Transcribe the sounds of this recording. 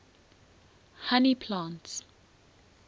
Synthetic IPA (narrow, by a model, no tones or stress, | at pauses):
hanipʰlãːnts